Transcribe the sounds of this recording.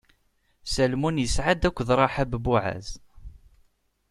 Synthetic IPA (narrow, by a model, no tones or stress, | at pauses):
sælmunjəsʕad̪ækʷːðɾˤɑħabbuʕæ̰z